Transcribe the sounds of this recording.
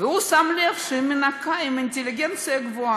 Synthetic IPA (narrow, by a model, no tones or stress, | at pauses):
veusamlefʃeminakaimint̪ʲeliɡent̪t͡sɨjaɡvua